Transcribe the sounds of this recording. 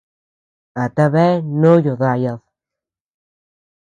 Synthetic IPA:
a˨t̪a˧βe˦nõ˦jo˨ða˧ja˧ð

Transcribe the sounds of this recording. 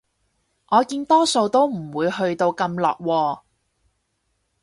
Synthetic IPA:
ʔɔː˨˧kiː˧nt̪ɔː˥so˧wt̪o˥wm̩˨˩wuː˨˧jhɵ˧ɥt̪o˧wkɐ˧mlɔ̰ː˨˩k̚wɔː˧

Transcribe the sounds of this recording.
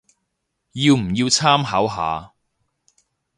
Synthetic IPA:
jiː˧wm̩˨˩jiː˧wt͡sʰaː˥mɦɐː˨˥wɦa̰ː˨˧

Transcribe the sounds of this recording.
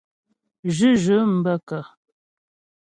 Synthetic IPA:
ʒɨ˦ʒə˨˦m̩˨bə˦kə˨

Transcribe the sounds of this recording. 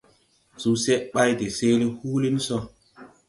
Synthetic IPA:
su˦se˦ʔɓa˦jde˨se˦le˦huː˦li˦n˦sɔ˦

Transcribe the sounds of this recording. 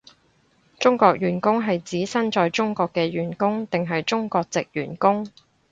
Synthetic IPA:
t͡ʃʊ˥ŋkɔː˧k̚jyː˨˩nkʊ˥ŋɦɐ˨jt͡siː˨˥sɐ˥nt͡sɔː˧jt͡sʊ˥ŋkɔː˧kːɛː˧ɥyː˨˩nkʊ˥ŋt̪ɪ˨ŋɦɐ˨jt͡sʊ˥ŋkɔː˧k̚t͡sɪ˨k̚jyː˨˩nkʊ˥ŋ

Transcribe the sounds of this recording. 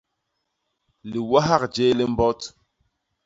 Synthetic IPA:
li˨wa˦ɦa˦˨k̚d͡ʒe˦li˦m˦bɔ˦t

